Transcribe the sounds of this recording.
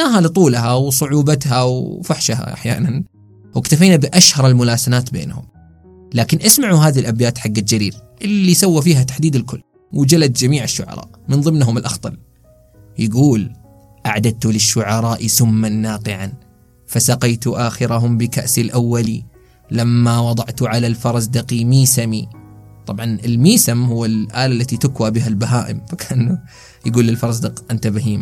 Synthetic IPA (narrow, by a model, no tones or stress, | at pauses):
naːɦalɪt̪ˤuːlhawsˤʊʕuːbat̪hawfaħʃɦa̰ʔa̰ħja̰ːnan | wɪkt̪afiːnabɪʔaʃhɑɾˤɪlmʊlaːsanaːt̪bḛːnhʊ̰m | laːkɪnʔasmaʕuɦaːðilʔabjaːt̪ħaɡːad͡ʒaɾiːɾʔɪlːisawːafiːɦat̪ḁħd̪iːd̪ɪlkʊlː | wɪd͡ʒalad̪d͡ʒamiːʕɪʃːʊʕɑ̰ɾˤɑ̰ːʔmɪnðˤɨmnɦʊmɪlʔɑxt̪ˤɑn | jɪɡuːl | ʔaʕd̪at̪ulɪʃːʊʕɑɾˤɑːʔisʊmːanːaːqɪʕan | fasɑqɑjt̪uʔaːxɪɾaɦʊmbɪkaʔsilʔawːali | lamːawɑd̪ˤɑʕt̪uʕalalfɑɾˤɑzd̪ɪqimiːsami | t̪ˤɑbʕɑnɪlmiːsamhʊwːɪlʔaːlalːat̪it̪ʊkwabɪɦalbaɦaːʔɪmfakʰaʔnu | jaɡuːlːɪlfɑɾˤɑzd̪ɪqʔant̪abaɦiːma